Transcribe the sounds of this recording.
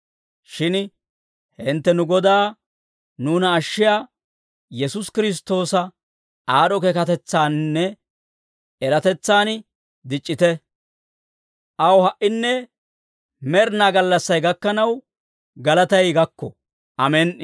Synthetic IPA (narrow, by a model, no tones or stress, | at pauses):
ʃɪn | hɪnt̪ːɛnʊɡɔd̪aː | nuːnɐːʃːɪjaː | jɛsʊskɪɾɪs̬t̪o̞ːsɐ | aːɗɔkekɐt̪ɛt͡sːaːnnːɛ | ɛɾɐt̪ɛt͡sːaːn | d̪ɪt͡ʃʼːɪt̪ɛ | ʔɐwhɐʔɪnːɛ | mɛɾnaːɡɐlːɐsːɐjɡɐkːɐnɐw | ɡɐlɐt̪ɐjɡɐkːɔ | ʔɐmɛn